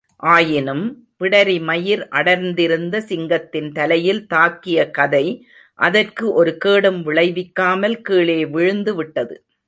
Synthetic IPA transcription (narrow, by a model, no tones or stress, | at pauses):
ʔaːjɪnɯm | pɪɽɐɾimɐjɪɾʔɐɽɐɾnd̪ɪɾɯnd̪ɐsɪŋɡɐt̪ːɪnt̪ɐlɐjɪlt̪aːkːɪjɐkɐðɐɪ | ʔɐðɐrkɯʔɔɾɯkeːɽɯmʋɪɭɐɪʋɪkːaːmɐlkiːɭeːʋɪɻɯnd̪ɯʋɪʈːɐðɯ̰